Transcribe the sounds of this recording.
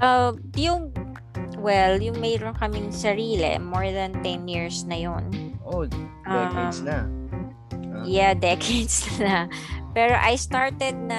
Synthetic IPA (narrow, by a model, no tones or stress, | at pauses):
ʔɐm | jʊŋ | wɛljʊŋmɛjɾonkɐmɪŋsɐɾiːlɛ̰moɹðɐnt̪ɛnjiɹsnɐjonʔoʔɐɛkesnɐ | jad̪ɛkʰejd̪sɐnɐpɛːɾo̞ʔɐjst̪aɹt̪ɛd̪̚nɐ